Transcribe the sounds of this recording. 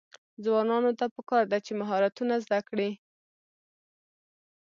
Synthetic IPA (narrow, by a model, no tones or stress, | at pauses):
zwɑnɑnot̪apəkɑɾd̪at͡ʃemaɦɑɾat̪unazd̪akɽi